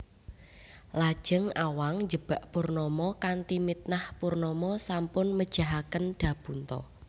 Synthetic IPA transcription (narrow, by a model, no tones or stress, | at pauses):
lad̥ʒ̥ə̤ŋawaŋd͡ʒəb̥a̤ʔpurnɔmɔkant̪imit̪̚nahpurnɔmɔsampʊnməd̥ʒ̥a̤ɦakənd̪̥ä̤b̥unt̪ɔ̰